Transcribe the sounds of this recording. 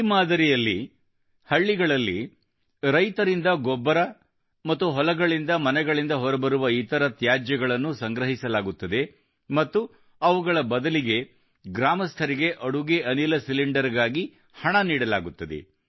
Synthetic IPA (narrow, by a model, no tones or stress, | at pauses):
imaːd̪ɐɾijɐlːi | hɐɭːiɡɐɭɐlːi | ɾɐjt̪ɐɾind̪ɐɡɔbːɐɾɐ | mɐt̪ːuɦɔlɐɡɐɭind̪ɐmɐnɛɡɐɭind̪ɐɦɔɾɐbɐɾuʋɐiːt̪ɐɾɐt̪jaːd͡ʒjɐɡɐɭɐnːusɐŋɡɾɐɦisɐlaːɡut̪ːɐd̪e̞ | mɐt̪ːu | ɐʋuɡɐɭɐbɐd̪ɐliɡe̞ | ɡɾaːmɐst̪ʰɐɾiɡe̞ʔɐɽuɡeɐnilɐsiliɳɖɐɾɡaːɡi | hɐɳɐniːɽɐla̰ːɡut̪ːɐd̪ḛ